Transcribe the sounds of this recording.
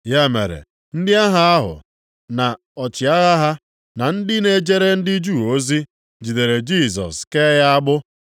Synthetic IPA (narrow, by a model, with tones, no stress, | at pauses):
ja˦mḛ˨ɾḛ˨ | n̩˦dɪ˦a˦ɦa˦a˦ɦʊ̰˨ | na˨ | ɔ˨t͡ʃɪ˨a˦ɣa˦ɦa˦ | na˨n̩˦dɪ˦ne˦d͡ʒe˦ɾe˦n̩˦dɪ˦d͡ʒu˦˨o˦zi˦ | d͡ʒi˨de˨ɾe˨d͡ʒi˦˨s̬ɔ̰˨ske˦ja˦a˦ɡ͡bʊ˦